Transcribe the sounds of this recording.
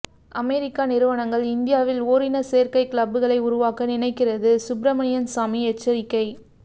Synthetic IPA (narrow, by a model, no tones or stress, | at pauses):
ʔɐmɛːɾɪkːanɪɾɯʋɐɳɐŋɡɐɭɪnd̪ɪjaːʋɪloːɾɪnɐseːɾkɐɪkɪlɐbːɯɣɐɭɐɪʊɾʊʋaːkɐnɪnɐɪkːɪrɐðɯsʊbɾɐmɐɳɪjɐnsaːmiɛt͡ʃːɐɾɪkːɐɪ